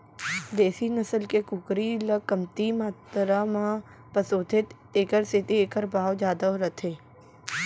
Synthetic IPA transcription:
d̪eːsinɐsəlkekʊkɾiləkːəmt̪imaːt̪ɾamã | pəsoːt̪ʰɪt̪ | eːkəɾsɪt̪ieːkəɾbaːwd͡ʒjaːd̪aoɾət̪ʰeː

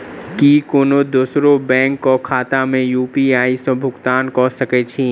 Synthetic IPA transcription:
kikoːnod̪usɾobɛ̃ːŋkːɔkʰaːt̪amẽjuːpiaːisɔ̃bʱʊɡt̪aːnkɔsɐket͡ʃʰĩ

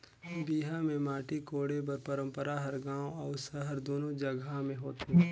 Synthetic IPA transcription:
biːɦamẽmaːʈikoːɽep̬ɐɾpəɾə̃mpəɾaɦɐɾɡãːwɔːɾsəɦɐɾd̪oːnod͡ʒɐɡamẽɦoːt̪eɦɛ

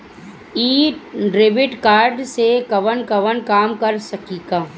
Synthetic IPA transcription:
iːʈɖɾeːʋɪʈkaːɾɖsekɐʋənkɐʋənkaːmkɐɾsɐkiːɡaː

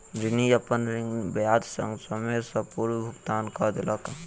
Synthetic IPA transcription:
d͡ʒɪniəpənɾɪŋɡbjaːd̪sə̃ŋɡsəmesəpuɾwbʱʊɡt̪aːnkəd̪eləkː

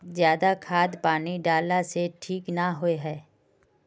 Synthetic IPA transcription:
zjaːd̪akʰaːd̪paːniɖaːlaseʈʰiːknaɦoeɦɛː

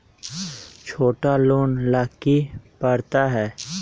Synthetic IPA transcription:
t͡ʃʰoːʈaluːnlaːkːipəɾt̪aɦɛː

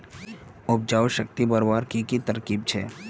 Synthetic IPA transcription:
ʊb̚d͡ʒaːʋʃək̚t̪ibəɾbaːɾkikit̪əɾkiːb̚t͡ʃʰḛː

